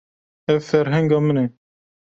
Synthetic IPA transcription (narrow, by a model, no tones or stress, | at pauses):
ɛvfɛɾɦɛŋɡɑmənɛ